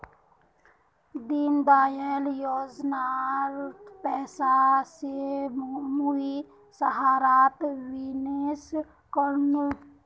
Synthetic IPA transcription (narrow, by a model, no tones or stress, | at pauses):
d̪inbaːjeljoːd͡ʒnaɾpɛːsase | mui | səɦaːɾaːt̪ʋines | kəɾnu